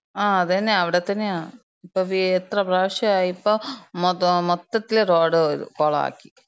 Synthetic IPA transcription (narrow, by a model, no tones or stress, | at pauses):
aːɐðenːeɐʋiɽet̪ːɐnːeaːɳ | ipːoːʋiet̪rɐpraːʋɐɕɐaːjipːoːmmɔt̪ːɐt̪ːileɾoːɽɨ̰koːɭɐa̰ːkːi̥